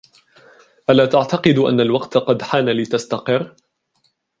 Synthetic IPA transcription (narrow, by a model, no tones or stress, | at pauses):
ʔalaːt̪aʕt̪ɑqɨd̪ʔa̰nːalwɑqt̪qɑd̪ħaːnalɪt̪ast̪ɑqɨrː